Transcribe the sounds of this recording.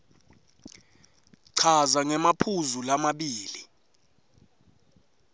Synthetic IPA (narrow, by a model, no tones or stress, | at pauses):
ǀʰazaŋɛmapʰuzulamaɓiːli